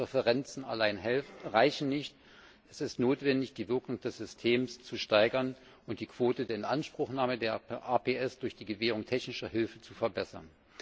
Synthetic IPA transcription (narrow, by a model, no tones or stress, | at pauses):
ʁɛfəʁɛnt͡sn̩a̰laɪnɦɛʁaɪçn̩nɪçt | ɛsɪstnoːtv̥ɛndɪçd̥iːvɪɐkʊŋd̥ɛsz̥ʏstʰeːmst͡suʃtaɪɡɐn | ʔʊnt̚d̥iːkv̥oːtədeːɐɪnʔanʃpʁ̥ʊχnaːmədeːɐʔaːpʰeːʔɛsd̥ʊɐçd̥iːɡəveːʁ̞ʊŋtʰɛçnɪʃɐɦɪlfət͡sufɛɐbɛsɐ̰n